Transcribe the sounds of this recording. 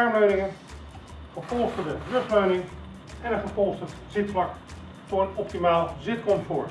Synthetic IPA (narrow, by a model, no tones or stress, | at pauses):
aɹmløɥnɪŋən | χəpɔlˠstədərøχløɥnɪŋ | ɛnənχəpɔlˠstətz̥ɪtflɑk | tʊɹənɔp̚timaːlˠzɪt̚kɔmtfʊːɹt